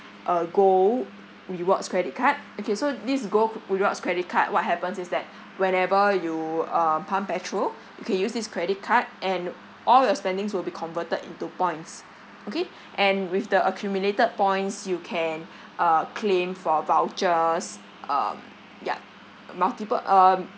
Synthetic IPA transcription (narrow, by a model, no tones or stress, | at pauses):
ʔəɡo | ɹiwɔkskɹɛɾit̚kʰat̚okesodis̬ɡoɹiwɔtskɹɛɾit̚kʰat̚wɔt̚ɦɛpə̃nsɪsdɛt̚ | wɛ̃nɛvəjuʌmpʰãmpɛtʰɹol | jukʰɛ̃njusdiskʰɹɛɾit̚kʰat̚ʔɛ̃n | ʔɔljɔspɛ̃ndɪ̃ŋswilbikʰɔ̃nvətədḭ̃ntupɔ̃ɪ̃nts | oke | ʔɛ̃nwifdəʔəkʰjumjuletəd̚pɔ̃j̃nsjukʰɛ̃n | ʔʌkʰlẽmfɔvaʊt͡ʃəs | ʔʌ̰m | ja̰ | maltipə̰ʔʌm